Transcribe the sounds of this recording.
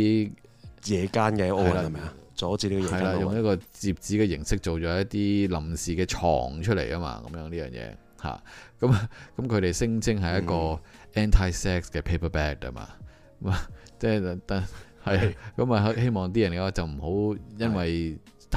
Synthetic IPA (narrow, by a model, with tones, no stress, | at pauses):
jɛː˨˧kaː˥nkɛ˧ɐ˨˦o˥˨ɐ˨la˧ɐ˧mɛ˨a˧t͡sɔː˨˥t͡siː˧liː˥kɔ˨ɐ˨jlaː˧jʊ˨ŋjɐ˥kɔː˧t͡siː˨p̚t͡siː˨˥kɛː˧jɪ˨˩ŋsɪ˥k̚t͡so˨wt͡ʃɔː˨˥jɐ˥t̪iː˥lɐ˨˩msiː˨˩kɛː˧t͡ʃʰɔ̰ː˨˩ŋt͡ʃʰɵ˥t̚lḛ˨˩jkaː˥ma̰ː˧kɐ̰˨˦mjœː˨˥ŋnliː˥jœː˨˩ŋjɛ̰ː˧ | ha̰ː˨˩kɐ˨˦m˧kɐ˨˥mkʰɵ˨˧ɾe˨jsɪ˥ŋt͡sʰɪ˥ŋɦɐ˨jɐ˦˥kɔː˧ʔɛː˥nt̪ʰaː˥jsɛː˥k̚skɛː˧pʰe˥jpʰɐ˥˩pɛː˦˥k̚ɐ̰˥ma̰ː˧ | km˧t͡sɛː˥˩˧t̪ɐ˥hɐ˨˩ja˧kɐ˨˥mɐ˨ɦɐ˥he˥jmɔː˨ŋt̪̬iː˥jɐ˨˩nkɐ˨˥wa˨˧t͡sɐ˨wm̩˨˩ho˨˥wjɐ˥nwɐ˨j | t̪ʰ